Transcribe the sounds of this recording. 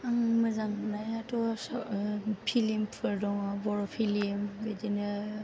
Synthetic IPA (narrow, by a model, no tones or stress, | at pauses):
aŋmazaŋnajatɔs | pʰilimpʰɯɾdɔŋabɔɾɔpʰilimbedina